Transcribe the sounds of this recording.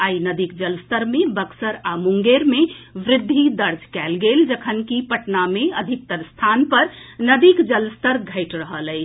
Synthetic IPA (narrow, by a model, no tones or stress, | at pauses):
ainəd̪ikd͡ʒəlst̪əɾmebəksəɾamuŋɡeɾmeʋɾɪd̪ʱːid̪əɾd͡ʒkɛlɡeld͡ʒəkʰənkipəʈnameəd̪ʱik̚t̪əɾst̪ʰanpəɾnəd̪ikd͡ʒəlst̪əɾɡʱəɪʈɾəɦələɪ